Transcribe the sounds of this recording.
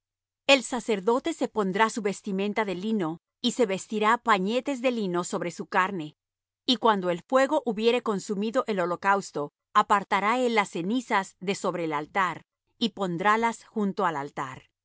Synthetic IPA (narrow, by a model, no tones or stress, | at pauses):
e̞lsase̞ɾðo̞t̪e̞se̞po̞nd̪ɾasuβe̞st̪imẽ̞nt̪aðe̞lino̞ | ise̞βe̞st̪iɾapaɲe̞t̪e̞zðe̞lino̞so̞βɾe̞sukaɾne̞ | ikwand̪oe̞lfwe̞ɣo̞ʔuβje̞ɾe̞ko̞nsumiðo̞ʔe̞lo̞lo̞kawst̪o̞ | apaɾt̪aɾae̞lːasːe̞nisazðe̞so̞βɾe̞ːlalt̪aɾ | ipo̞nd̪ɾalasxunt̪o̞alalt̪a̰ɾ